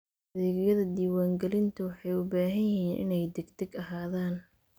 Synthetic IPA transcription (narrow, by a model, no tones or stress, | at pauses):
ʔɐðɛːɣjɐðɐd̪iːwaːŋɡɛlɪnt̪ʰɐwɑħɑjʊbaːɦɐjɐɦiːnʔɪ̰nɛjd̪ɛɡt̪ʰɛɡɐɦaːðaːn